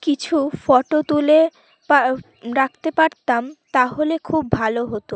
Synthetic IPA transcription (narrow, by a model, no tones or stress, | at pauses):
kit͡ɕʰufɔʈot̪ule | pa | ɾakʰt̪epaɾt̪amt̪aɦolekʰubːʱaloɦot̪o